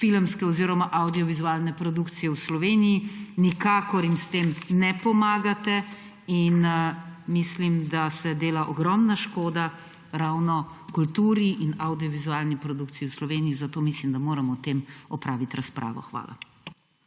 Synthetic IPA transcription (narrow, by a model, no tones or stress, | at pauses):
filmskɛɔziːɾɔmaʔawd̪ijɔʋizuaːlnɛpɾɔd̪ukt̪sijɛwslɔʋeːnijinikaːkɔɾjimst̪eːmnɛpɔmaːɡat̪ɛ | in | mislimd̪asɛd̪eːlaʔɔɡɾɔmnaʃkoːd̪a | ɾaːwnɔkult̪uːɾiʔinawd̪iɔʋizuaːlnipɾɔd̪uːkt̪sijɛwslɔʋeːniizat̪oːmislimd̪amoːɾamɔt̪eːmɔpɾaːʋit̪ɾaspɾʔa̰ːʋɔ̰xʋa̰ːlʔa̰